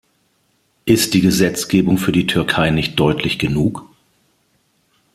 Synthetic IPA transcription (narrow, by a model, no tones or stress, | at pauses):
ʔɪst̚d̥iːɡəzɛt͡sɡ̥eːbʊŋfyːɐdiːtʰʏɐkʰaɪnɪçt̚d̥ɔʏtʰlɪçɡ̥ənuːk